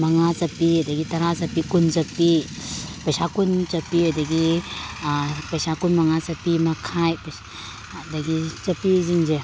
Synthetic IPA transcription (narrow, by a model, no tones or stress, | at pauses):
mɐŋat͡ʃɐpiɐdɐɡitɐɾazɐpikunt͡ʃɐpipɐjsakunt͡ʃɐpiɐdɐɡi | pɐjsakunmɐŋat͡ʃɐpimɐkʰajp | dɐɡit͡ʃɐpiziŋze